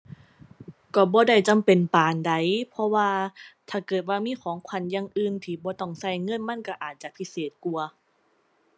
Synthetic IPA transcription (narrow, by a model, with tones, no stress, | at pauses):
kɔː˧˩bɔː˧˦da˧˩jt͡ɕa˨mpe˨˩npaː˨˩nda˧˩jpʰɔ˧˥waː˧t̪ʰaː˧˩kɤː˨˩t̪̚waː˧miː˧˥˨kʰɔː˨˩˦ŋkʰwa˧˩njaː˧ŋʔɯː˧˩˨nt̪ʰiː˧˩bɔː˧˦t̪ɔ˧˩ŋsa˧˩jŋɤ˧˥˨nma˧˥˨nka˧˩ʔaː˨˩t̪̚t͡ɕa˨pʰi˧˥seː˨˩t̪̚ku˧˩ɐ